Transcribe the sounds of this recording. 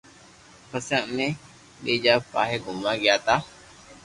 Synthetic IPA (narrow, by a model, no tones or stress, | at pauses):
pəsə̃ʔmẽː | ɗeːd͡ʒaːpa̰ːɦeːɡʱʊmaːɡɪjaːt̪aː